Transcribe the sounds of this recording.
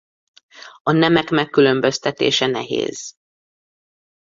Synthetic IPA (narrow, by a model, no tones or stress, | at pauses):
ɒnɛmɛkmɛkːylø̞mbø̞st̪ɛt̪ḛːʃɛnɛ̰ɦḛːz̥